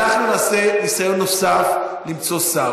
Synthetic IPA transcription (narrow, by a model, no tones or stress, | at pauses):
aχnunaːsenisajo̞nːo̞saflimt͡so̞sa